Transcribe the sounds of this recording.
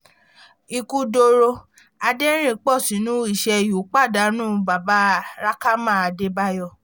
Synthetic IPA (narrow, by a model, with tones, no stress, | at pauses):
i˧ku˧do˧ɾo˧ | a˧de˦ɾ̃ĩ˦˨k͡pɔ˦˨sĩ˨˦nũ˦i˦˨ʃɛ˧˨ju˨˦k͡pa˦˨da˨˦nũː˦˨ba˨ba˨˦˨ɾa˦ka˦mã˦˨a˧˨de˧˦ba˧˦jɔ˦˨